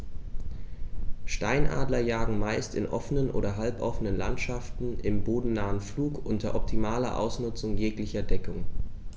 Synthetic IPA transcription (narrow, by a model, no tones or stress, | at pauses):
ʃta̰ɪnʔa̰ːdlɐjaːɡŋ̩maɪstɪ̰nʔɔ̰fənənʔo̰ːɾɐɦalpʔɔfənənla̰ntʃaftn̩ʔɪmboːdn̩naːənfluːkʔʊntɐʔɔp̚tʰimaːlɐ̰ʔa̰ʊsnʊt͡sʊŋjeːklɪçɐdɛkʊŋ